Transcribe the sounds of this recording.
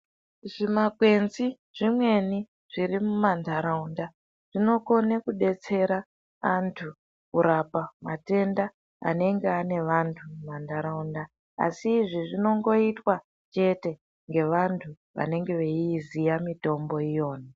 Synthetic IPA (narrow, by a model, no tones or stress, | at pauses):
ʐimakwe̞nzi | ʐ̥imwe̞ni | ʐ̥iɾimumandʱaɾaunda | ʐ̥ino̞ko̞nekuɗe̞t͡se̞ɾa | antʰu | kuɾapamate̞nda | a̰ne̞ŋɡeane̞ʋantʰumumandʱaɾaunda | a̰siːʐiʐino̞ŋɡo̞itwa | t͡ʃe̞te̞ | ŋɡe̞ʋantʰu | ʋa̰ne̞ŋɡe̞ʋe̞iːzijamito̞mbo̞ijo̞ːna